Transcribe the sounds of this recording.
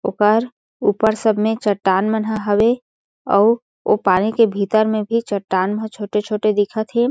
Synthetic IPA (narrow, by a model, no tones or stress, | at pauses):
oːkəɾ | uːpəɾsəbʱmẽt͡ʃəʈːaːnmənɦaɦəwe | ɔː | o̰paːnikebʱiːt̪əɾmẽbʱit͡ʃəʈːaːnməɦət͡ʃʰoːʈet͡ʃʰoːʈed̪ɪkʰət̪ʰɦeː